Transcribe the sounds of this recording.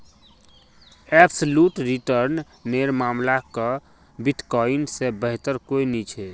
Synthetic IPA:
ɛbsəluʈɾiʈəɾnː | eɾmaːmlakə | biʈkɔinsebəɦt̪əɾkoinit͡ʃʰɛ

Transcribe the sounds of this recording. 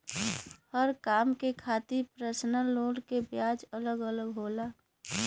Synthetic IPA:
həɾkaːmkekʰaːt̪ipɾəsnəloːɽkebjaːd͡ʒələɡələɡɦoːlaː

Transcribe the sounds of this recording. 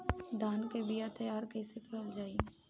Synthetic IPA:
d̪aːnkebɪjat̪ɐjaːɾkɛːsekɐɾəld͡ʒaːi

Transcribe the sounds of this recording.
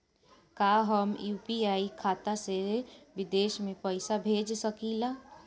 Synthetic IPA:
kaːɦəmjuːpiaːikʰaːt̪aseʋɪd̪eːʃmẽpəɪsabʱeːd͡ʒsəkilaː

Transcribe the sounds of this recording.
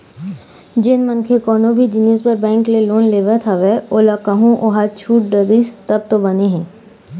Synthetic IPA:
d͡ʒɪnmɐnkʰekɔːnobʱid͡ʒɪniːspɐɾbɛ̃ːŋkleloːnleːʋəɾt̪ʰaʋɛoːlakaɦũʔoːɦat͡ʃʰuːʈ̚ɖəɾist̪ɐb̚t̪obɐneɦɛ̃ː

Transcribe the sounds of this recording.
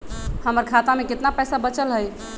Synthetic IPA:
həməɾkʰat̪amẽkɪt̪napɛjsabət͡ʃəlɦəj

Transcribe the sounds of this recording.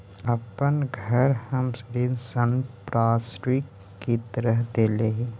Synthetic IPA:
əpənɡʱəɾhəmsɾinsənpɾaːsɾikː | it̪əɾəɦd̪eːleɦi

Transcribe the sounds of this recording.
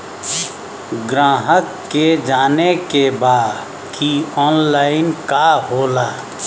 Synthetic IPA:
ɡɾaːɦəkːed͡ʒaːnekebaːd̪ | kʰiɔːnlaːɪnkaɦoːlaː

